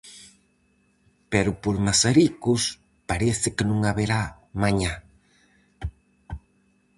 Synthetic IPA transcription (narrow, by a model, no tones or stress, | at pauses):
peɾʊpoɾmasaɾikʊs | paɾeθɪkenũŋaβeɾa | mãɲa